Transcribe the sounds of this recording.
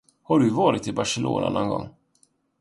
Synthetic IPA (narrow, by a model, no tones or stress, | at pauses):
haɖɵvɑːɾɪt̪ɪbaʂɛlo̰ːna̰nɔnɡɔ̰ŋː